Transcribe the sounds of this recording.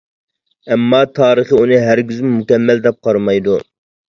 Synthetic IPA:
ɛmːɑt̪ʰɑːɾəχəunɨɦæɾɡʲyzmmukʲɛmːæld̪ɛp̚qʰɑɾmɑjd̪u

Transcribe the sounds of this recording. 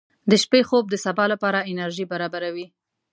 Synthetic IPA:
d̪əʃpexob̚d̪əsabɑlapɑɾaɪnaɾʒibaɾɑbaɾawi

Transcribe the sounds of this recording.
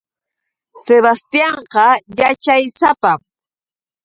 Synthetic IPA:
seβast̪ijɑɴqɑjat͡ʃajsapam

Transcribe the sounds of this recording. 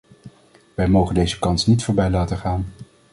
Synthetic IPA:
ʋɛjmowχəndejzəkɑnsnitfʊːɹbɛjlaːtəχaːn

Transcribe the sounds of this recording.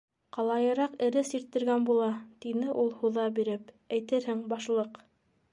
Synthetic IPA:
qɑlˠɑjɤ̆ɾɑqɘ̆ɾɘsiɾt̪ːɘ̆ɾɡænbulˠɑt̪inɘʔulˠhuðɑbiɾɘp | æjt̪ɘɾhɘŋbɑʃlˠɤq

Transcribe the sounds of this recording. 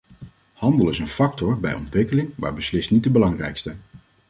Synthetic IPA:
hɑndəlˠɪsənfɑk̚tɔɹbɛjɔ̰ntʋɪkəlɪŋʋa̰ːɹbəslɪstnit̚dəbəlɑŋrɛ̰jkstə

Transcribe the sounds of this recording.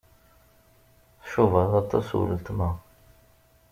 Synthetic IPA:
θʃuvaðˤɑt̪ˤːɑ̰sw̰lət̪mæ

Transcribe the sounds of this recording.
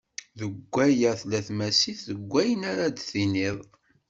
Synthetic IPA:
ðəɡʷːæjæθlæθmæsiθðəɡʷːæjənaɾad̪θiniðˤ

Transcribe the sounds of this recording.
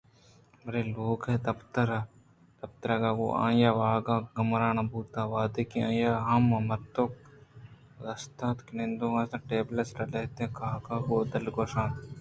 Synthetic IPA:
bɐɾeːloːɡɦed̪ɐpt̪ɐɾa | d̪̥ɐp̚t̪ɐɾaɡaʋo̰ːʔã̰ːjaːʋaːɡaːɡɐmɾaːnɐbuːt̪aːʋaːd̪eːkiãːjaːɦɐmɐmɐɾt̪ok̚ | d̪ɐst̪aːt̪knẽnd̪õːɡãːsãːʈeːblɐsɾɐlɐɦt̪eẽkaːɡãːɡoːd̪ɐlɡoːʃaːn

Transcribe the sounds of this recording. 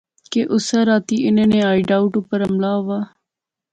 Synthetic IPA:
keʔʊsaɾaːt̪iːʔɪnẽːnẽːaːiɖaːʊʈʊpəɾɦəmlaːɦoʋaː

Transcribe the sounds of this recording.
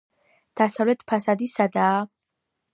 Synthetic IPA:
d̪̥asavlɛt̪ʰpʰasad̪isad̪aː

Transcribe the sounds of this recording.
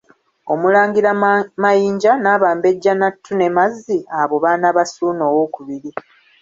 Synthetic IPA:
o̞mulaːŋɡiɾamajiːɲɟanaːβaːmbe̞ɟːanatʰːune̞mazːiaβo̞βanaβasuːno̞ːwoːkuβiɾi

